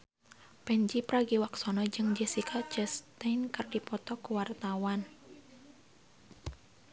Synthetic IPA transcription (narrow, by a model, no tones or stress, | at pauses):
pɛɲd͡ʒipɾaɡiwaksɔnɔd͡ʒɨŋd͡ʒɛsikʰat͡ʃəst̪enkɨrdipɔt̪ɔkuwart̪awan